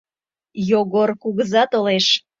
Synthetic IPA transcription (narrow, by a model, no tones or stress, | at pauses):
joɣorkuɣəzɑt̪oleʃ